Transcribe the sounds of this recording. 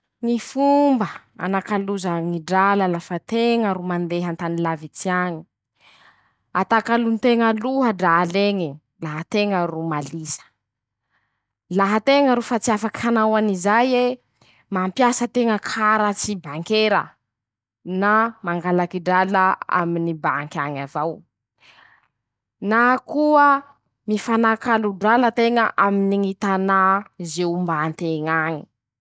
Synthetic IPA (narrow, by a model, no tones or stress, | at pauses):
ŋifumbə | a̰nakaluzaŋiɖ͡ʐaləlafət̪eŋəɾumand̪eɦant̪anilavit͡siaɲi̥ | at̪akalunt̪eŋəluɦəɖ͡ʐaleŋi | laɦət̪eŋərumalisə̥ | laɦət̪eŋəɾufat͡siafakanawanizajwe | mampjasət̪eŋəkʰaɾət͡sibaŋkeɾə̰ | namaŋɡalakiɖ͡ʐaləa̰minibaŋkʲaɲazaw | nakuə | mifanakaluɖ͡ʐalət̪eŋəʔaminiŋit̪anazeumbant̪eŋaɲi̥